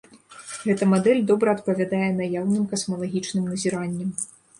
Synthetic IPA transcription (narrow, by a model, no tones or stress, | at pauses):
ɣɛt̪ɐmad̪ɛlʲd̪ɔbɾɐɐt̪̚pɐvʲad̪ajɛnajawnɨmkɐsmɐlˠaɣʲit͡ʂnɨmnɐzʲiɾanʲːɐm